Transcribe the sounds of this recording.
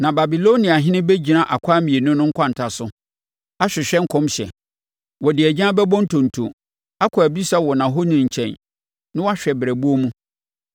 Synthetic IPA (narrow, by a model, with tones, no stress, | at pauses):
nã˨ba˨bi˨lo˦nĩ˨a˨ɦɪ̃˦nɪ̃˦be˦d͡ʑi˨nã˦˨ʔa˨kʷʰa˦mĩ˨e˨nʊ̃˦nʊ̃˦ŋ̩˦kʰʷã˦n̩˨tʰa˨sʊ˦ | a˦ɕᶣɪ˨ɕᶣɛ˦ŋ̩˦kʰɔ̃˦mɕɛ̰˨ | wɔ˨dɪ˨æ˨d͡ʑã˦bɛ˦bɔ̃˦n̩˦tʰõ˨n̩˨tʰṵ˨ | a˦kʰɔ˨æ˨bi˦sa˦wɔ˨nã˨ɦo˦nɪ̃˨ɲ̩˨t͡ɕʰɛ̰̃˨n | nɪ̃˦wɔ˦a˦ɕᶣɛ˨bɪ˨ɾæ˨bu˦o˦mũ˦